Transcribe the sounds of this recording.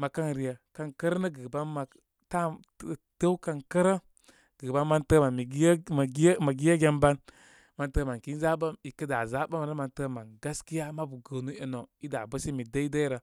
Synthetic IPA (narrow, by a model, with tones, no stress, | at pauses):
ma˨ka˦nɾi˨ja˨ka˨nkə˦ɾə˦nə˦ɡə˨ba˦nma˨ | ta˦ | tə˦wka˨nkə˦ɾə˦ | ɡ̥ə˨ba˦nma˦ntə˦ma˨mi˨ɡm˨ɡma˨ɡi˦ja˦ɡʲe˦mba˦n | ma˨ntə˦˨ma˨ki˦n˦za˦ba˦mi˨kə˦da˨za˦ba˦m˨nə˦ma˨ntə˦ma˨nɡa˦ski˦ja˦ma˦bu˨ɡə˨nu˦e˨no˨i˦da˨bə˦si˦mi˨də˦i˦də˦ɾa˨